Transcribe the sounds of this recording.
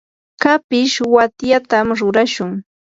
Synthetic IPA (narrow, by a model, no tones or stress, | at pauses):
kapɪʃwat̪jat̪amɾʊɾaʃʊŋ